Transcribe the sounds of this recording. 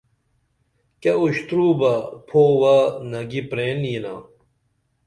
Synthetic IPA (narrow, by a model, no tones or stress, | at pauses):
keuɕt̪ɾuːbɐpʰoːwanɐɡipɾeːnjina̰